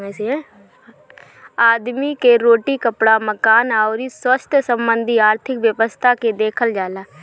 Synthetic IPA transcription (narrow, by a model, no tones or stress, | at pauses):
s | aːd̪mikeɾoːʈiːkəpɽaːməkaːnaoɾisəst̪ʰsəmbə̃nd̪ʱiaːɾt̪ʰɪkʋjəʋəst̪ʰaked̪eːkʰəld͡ʒaːlaː